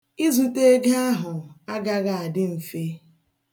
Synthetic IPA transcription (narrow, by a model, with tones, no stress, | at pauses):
i˦zu˦te˦ɡa˦a˦ɦʊ˨a˦ɡa˦ɣa˨a˨dɪ˦m̩˨fe˦